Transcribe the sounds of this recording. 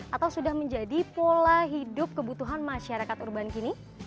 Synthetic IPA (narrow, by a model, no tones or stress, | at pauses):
at̪awsudahməɲd͡ʒadipolaɦidʊp̚kəbut̪uɦanmaʃaɾakat̪urbankini